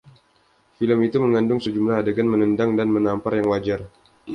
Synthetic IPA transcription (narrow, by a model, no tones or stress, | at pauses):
filəmit̪uməŋandʊŋsəd͡ʒumlahdəɡanmənəndaŋdanmənamparjaŋwad͡ʒar